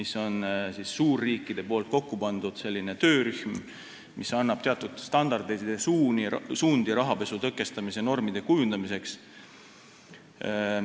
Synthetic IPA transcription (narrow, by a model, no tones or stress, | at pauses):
miso̞nsisːuːrːiːkːˑid̪̥e̞po̞ːlt̪̚ko̞kːupɑnd̪̥ud̪̥se̞lːine̞t̪ø̞ːɾyhm | mʔisɑnːɑb̥t̪e̞ɑt̪ːˑud̪̥st̪ɑnd̪̥ɑrd̪ed̪esuːnisuːnd̪̥iɾɑɦɑpe̞sut̪ɤkːˑe̞st̪ɑmise̞no̞rmid̪̥e̞kujund̪ɑmise̞ks